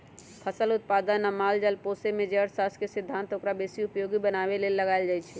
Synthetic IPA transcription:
pʰəsəlut̪̚pad̪ənəmald͡ʒalposemed͡ʒeəɾsaskesid̪ʱːant̪okɾabesiupjoɡibənabelelːəɡaɪld͡ʒajt͡ʃʰɛ

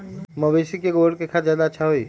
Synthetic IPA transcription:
məbesikeɡoɽkekʰaːt̪zjaːd̪aətːʃʰaɦoiː

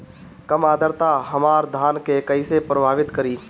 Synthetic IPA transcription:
kɐmaːd̪ʱəɾt̪aɦɐmaːɾd̪ʱaːnkekɐisepɾəbʱaːʋɪt̪kɐɾiː

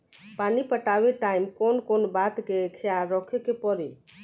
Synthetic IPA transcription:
panipəʈabeʈaimkonkonbat̪kekʰejaɾɔkʰekepɔɾe

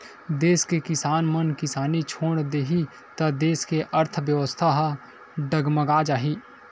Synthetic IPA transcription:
d̪eːskekɪsaːnmənkɪsaːnit͡ʃʰoːɽ̃d̪eːɦi | t̪ɐd̪eːskeʔəɾt̪ʰʋjəʋəst̪ʰaɦ | ɖəɡməɡaːd͡ʒaːɦiː

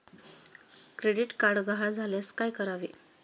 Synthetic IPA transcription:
kɾeɽiʈkaɾɽɡaɦad͡zʱaljaskajkəɾaʋe

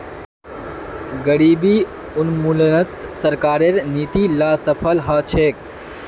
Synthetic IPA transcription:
ɡəɽiːbiː | ʊnmulnət̪sɐɾkaːɾeɾniːt̪iːlaːsəpʰəlɦaːt͡ʃʰeːk

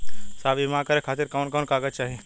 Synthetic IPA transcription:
saːbimãkəɾekʰaːt̪ɪɾkaʊnkɔːnkaːɡət͡ʃaːɦie

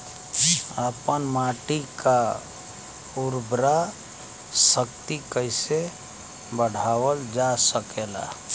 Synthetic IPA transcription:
əpənmaːʈika | uɾbɾa | səkt̪ikəɪse | bəɽ̤aːwəld͡ʒasəkela̰

